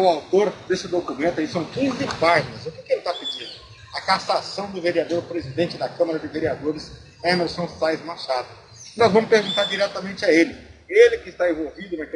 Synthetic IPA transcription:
ʊawt̪oɾd̪esɪd̪okumẽnt̪ʊɐisɐ̃w̃kĩzɪpaʒinɐzʊkekɪelɪt̪apɪd͡ʒĩnd̪ʊ | ɐkasasɐ̃w̃d̪ʊveɾiad̪oɾpɾezid̪ẽnt͡ʃɪd̪ɐkɐ̃mɐɾɐd͡ʒɪveɾiad̪oɾɪs | ɛmeɾsõw̃sajzmaɾʃad̪ʊ | nɔzvɐ̃mʊspeɾɡũnt̪aɾd͡ʒiɾɛt̪ɐmẽnt͡ʃɪaelɪelɪkɪst̪aẽvowvid̪ʊnɐk

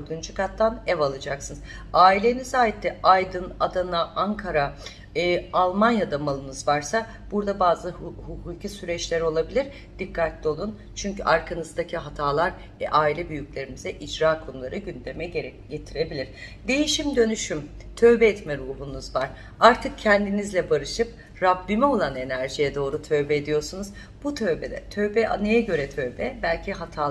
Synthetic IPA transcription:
øɾd̪ynd͡ʒukʰat̪ːanɛvalˠɯd͡ʒaksɯnz | aːilʲe̞nizaːjit̪ːɛajd̪ɯnad̪anaʔaŋkʰaɾa | ɯːalˠmanjad̪amalˠɯmɯzvaɾsa | b̥uɾd̪abaːzɯhukʰuːcʰisyɾɛt͡ʃlʲɛɾo̞lˠabilʲiɾ | d̪̥ikːat̪lʲio̞lˠun | t͡ʃʰyɲcyʔaɾkʰanɯzd̪acʰiɦat̪ʰaːlˠaɾ | ɛ̰ʔaːilʲɛbyjyclʲe̞ɾimizɛʔid͡ʒɾaːkʰo̞nulˠaɾɯɟynd̪emɛɟet̪ʰiɾe̞bilʲiɾ̥d̪e̞jiʃimd̪ø̞nyʃym | t̪ʰø̞vbɛːt̪mɛɾuːɦunuzvaɾ̥ | aɾt̪ʰɯk̚cʰɛnd̪inizlʲɛbaɾɯʃɯp̚ | ɾabːimɛo̞lˠane̞næɾʒijɛd̪o̞ːɾut̪ʰø̞ɥbɛed̪ijo̞ɾsunuz̥ | b̥ut̪ʰø̞ɥbɛd̪ɛ̰t̪ʰø̞ɥbɛʔa̰nɯjaɟø̞ɾɛt̪ʰø̞vbɛbælʲcʰiɦat̪ʰaː

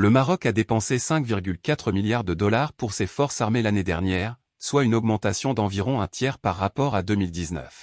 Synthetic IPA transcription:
ləmaʁɔkad̪epɑ̃sesɛ̃kviʁɡʲylkat̪χəmiljaʁd̪əd̪ɔlaʁpuʁsefɔʁsaʁmelaned̪ɛʁnjɛːʁ | swaynɔɡmɑ̃t̪asjɔ̃d̪ɑ̃viʁɔ̃ɛ̃t̪jɛʁpaʁːapɔʁad̪əmild̪iznœ̰f

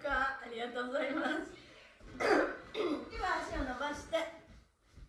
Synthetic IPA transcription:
kaːɾʲiɡat̪o̞ːɡozaimas | iβaɕionobaɕi̥t̪e

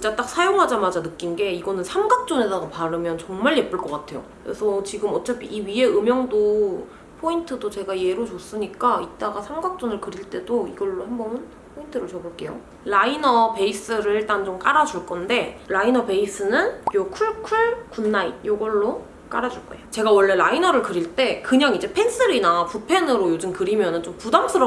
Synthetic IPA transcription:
t͡ɕit͡ɕ͈at͈ak̚sʰajoŋɦad͡ʑamad͡ʑanɯk͈inɡe̞iɡʌnɯnsʰamɡak̚t͡ɕ͈one̞daɡopaɾɯmjʌnt͡ɕʌŋmaɭje̞p͈ɯɭk͈ʌk͈atʰe̞jo̰kɾḛsʰʌt͡ɕiɡɯmʌt͡ɕ͈apʰiʔiɥie̞ɯmjʌŋdo | pʰointʰɯdot͡ɕe̞ɡaje̞ɾot͡ɕos͈ɯɲik͈ait̚t͈aɡasʰamɡak̚t͡ɕ͈onɯɭkɯɾiɭt͈e̞doiɡʌɭːohambʌmɯn | pʰointʰɯɾot͡ɕʌboɭk͈e̞jo̰ | lainʌpe̞is͈ɯɾɯɭiɭt͈ant͡ɕomk͈aɾad͡ʑuɭk͈ʌnde̞ɾainʌpe̞is͈ʰɯnɯnjokʰuɭkʰuɭkunːait̚joɡʌɭːo | k͈a̰ɾad͡ʑuɭk͈ʌḛjot͡ɕe̞ɡawʌɭːe̞ɾainʌɾɯɭkɯɾiɭt͈e̞kɯɲaŋid͡ʑe̞pʰe̞ns͈ʰɯɾinapupʰe̞nɯɾojod͡ʑɯmkɯɾimjʌnɯnt͡ɕompudams͈ʰɯɾʌ

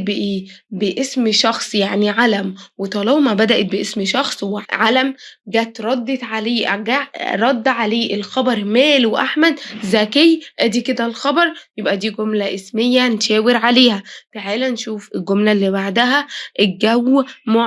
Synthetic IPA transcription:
beʔeːbeʔesmʃɑxsˤjaʕniʕalæmwet̪ˤɑlɑhmæbæd̪æʔet̪̚beʔesmʃɑxsˤweʕalæmɡæːt̪ɾˤɑd̪ːet̪ʕaleːɡæɾˤɑd̪ːʕaleːʔelxɑbɑɾˤmæːlweʔaħmæd̪zækejʔæːd̪iːked̪ælxɑbɑɾˤjebʔæd̪iːɡomlæʔesmejːæneʃæːweɾʕaleːhæfeʕeːlænʃuːfelɡomlælːiːbaʕd̪æɦæʔeɡæwːmo

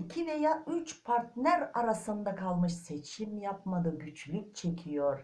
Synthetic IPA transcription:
icʰive̞jaːʔyt͡ʃpʰaɾt̪næɾaɾasɯnd̪akʰalˠmɯʃse̞t͡ʃʰimjap̚mad̪ɯɟyt͡ʃlʲyc̚ʲt͡ʃʰe̞cʰijo̞ɾ̥

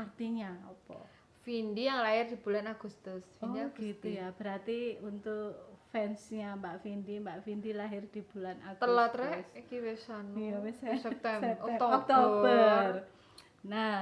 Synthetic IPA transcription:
art̪iɲaɔpɔ | findijaŋlaɦɪrd̥̪ib̥ulanaɡ̥ust̪ʊsfinɔdiaɡ̥ɡist̪ujab̥əɾart̪iunt̪ʊkfɛnsɲambaʔfindimbaʔfindilaɦɪrd̪̥i̤b̥ulanaɡt̪əlat̪ɾɛskiwesanuwsɛsɛp̚t̪ɛɛɔt̪oɔbt̪oəər | na

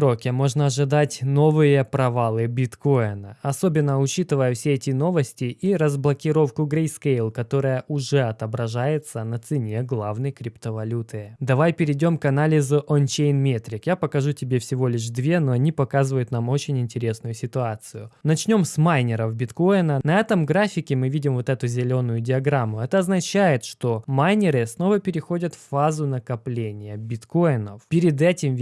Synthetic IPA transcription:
ɾokʲɪmo̞ʐnəɐʐɨd̪atʲno̞vɨjəpɾɐvalˠɨbʲɪt̪ko̞jnə̰ɐso̞bʲɪnːəʊt͡ɕit̪ɨvəjəfsʲeɛtʲɪno̞vəsʲtʲɪʔiɾəzblˠəkʲɪɾo̞fkʊɡɾʲejskejlˠkɐt̪o̞ɾɨjəʔʊʐɛɐt̪əbɾɐʐajɪt̪sənət̪sɨnʲe̞ɡlˠavnəjkɾʲɪpt̪əvɐlʲut̪ɨd̪ɐvajpʲɪɾʲɪdʲo̞mkɐnalʲɪzʊʔont͡ɕejnmʲet̪ɾʲɪkjapəkɐʐutʲɪbʲe̞fsʲɪvo̞lʲɪʂ̬d̪vʲe̞no̞ɐnʲipɐkazɨvəjʊt̪namo̞t͡ɕɪnʲɪnʲtʲɪɾʲe̞snʊjʊsʲɪt̪ʊat̪sɨjʊnɐt͡ɕnʲo̞msmajnʲɪɾəfbʲɪt̪ko̞jnənɐɛt̪əmɡɾafʲɪkʲɪmɨvʲidʲɪmvo̞t̪ɛt̪ʊzʲɪlʲo̞nʊjʊdʲɪɐɡɾamːʊɛt̪əɐznɐt͡ɕæjɪt̪ʂt̪o̞majnʲɪɾɨsno̞vəpʲɪɾʲɪxo̞dʲət̪fːazʊnəkɐplʲenʲɪjəbʲɪt̪ko̞jnə̰fpʲɪɾʲɪd̪ɛtʲɪm

